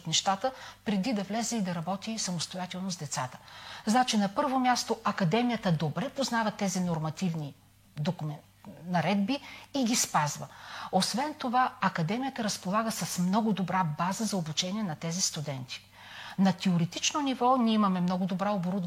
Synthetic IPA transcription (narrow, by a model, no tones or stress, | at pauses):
t̪nɛʃt̪at̪əpɾɛd̪id̪ɐvlɛzɛid̪ɐɾɐbɔt̪isɐmost̪ojat̪ɛlˠnozd̪ɛt̪sat̪ə̥znat͡ʃinɐpɤɾvomʲjast̪oɐkɐd̪ɛmijət̪əd̪obɾɛpoznavɐt̪ɛzinoɾmɐt̪ivni | d̪ok | nɐɾɛd̪biːɡʲispazvə̰osvɛnt̪ovaɐkɐd̪ɛmijət̪əɾɐspolˠaɡəsɐsmnɔɡʊd̪obɾabazəzɐobut͡ʃɛniɛnɐt̪ɛzist̪ud̪ɛnt̪i̥ | nɐt̪ɛoɾɛt̪it͡ʃnonivɔnʲiɛimɐmɛmnɔɡʊd̪obɾaoboɾud̪